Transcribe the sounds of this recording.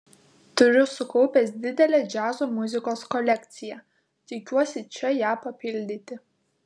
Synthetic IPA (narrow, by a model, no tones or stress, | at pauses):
t̪ʊɾʲʊsʊkɔʊpʲɛs̬d̪ʲɪd̪ʲɛlʲeːd͡ʒʲæːzoːmʊzʲɪkoːskɔlʲɛkʲt̪sʲɪjɛ | t̪ʲɪkʲuɔsʲɪt͡ʃʲɛjæːpɐpʲɪlʲd̪ʲɪt̪ʲɪ